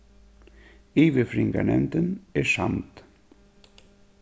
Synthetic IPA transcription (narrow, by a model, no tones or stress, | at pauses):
iːʋəfɾɪŋɡa̰ɳɛ̰nt̪ənɛʂa̰nt̪